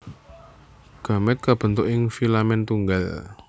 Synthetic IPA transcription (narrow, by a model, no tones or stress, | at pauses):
ɡ̥a̤mɛt̪̚kab̥ə̤nt̪ʊʔɪŋfilamɛnt̪uŋɡal